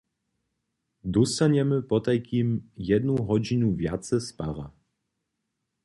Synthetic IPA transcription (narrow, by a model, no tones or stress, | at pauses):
d̪ɔst̪aɲɛmɘpɔt̪ajkʲimjɛd̪nuɦɔd͡ʑinuvʲjat̪sɛspa̰ɾa̰